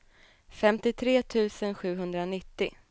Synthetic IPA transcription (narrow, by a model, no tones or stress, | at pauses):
fɛmt̪ɪt̪ʰɾeːt̪ʰʉ̟ːsənɧʉ̟ːɦɵnd̪ɾanɪt̪ːɪ